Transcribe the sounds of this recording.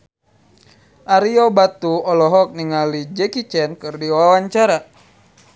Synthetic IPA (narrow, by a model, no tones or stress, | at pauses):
ʔaɾiobat̪uɔlɔɦɔk̚niŋalid͡ʒɛkit͡ʃɛnkɨrdiwawaɲt͡ʃaɾa